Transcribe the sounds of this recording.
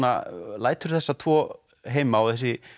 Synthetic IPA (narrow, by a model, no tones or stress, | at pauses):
na̰laːjt̪ʏɾ̥θɛsːat̪ʰvɔː | ɦeːjmaawθɛs̬ɪ